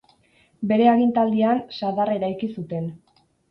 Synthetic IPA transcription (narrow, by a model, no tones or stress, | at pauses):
be̞ɾe̞aɣint̪ald̪iansaðare̞ɾajkisut̪e̞n